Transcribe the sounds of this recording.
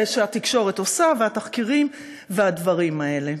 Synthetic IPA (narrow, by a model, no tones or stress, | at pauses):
eʃaat̪ikʃo̞ʁet̪osaveat̪aχkiʁim | vead̪vaʁimae̞le̞